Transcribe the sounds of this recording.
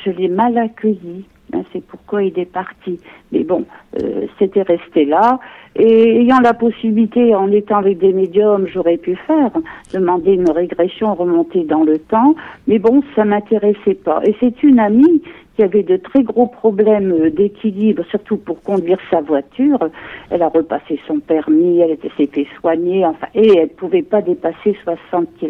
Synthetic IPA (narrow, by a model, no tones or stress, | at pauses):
ʒəlɛmalakʲəji | ɛ̰̃sɛpuʁkwailɛpaʁt̪imɛ̰bɔ̃ø̰set̪ɛʁɛst̪elaeejɑ̃lapɔsibilit̪eɑ̃net̪ɑ̃avɛk̚d̪emed̪jɔmʒɔʁɛpyfɛʁd̪̥əmɑ̃d̪eynʁeɡʁɛsjɔ̃ʁəmɔ̃t̪ed̪ɑ̃lət̪ɑ̃mɛbɔ̃samɛ̃t̪eʁɛsɛpa̰ʔesɛt̪ynamikʲiavɛd̪ət̪χɛɡʁopχɔblɛmød̪ekʲʰilibʁsyʁt̪upuʁkɔ̃d̪ɥiʁsavwat̪yːʁɛlaʁəpasesɔ̃pɛʁmiɛlet̪ɛsɛfɛswaɲeɑ̃fɛ̰̃ʔeɛlpuvɛpad̪epaseswasɑ̃t̪̚kil